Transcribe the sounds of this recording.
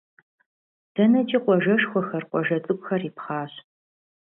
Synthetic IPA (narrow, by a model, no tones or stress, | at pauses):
d̥ɐnɐd͡ʒʼiːqʷɔʒɐʂxʷɔxɐrqʷɔʒɐt͡sʼɨkʷʼxɐriːpχɑːɕ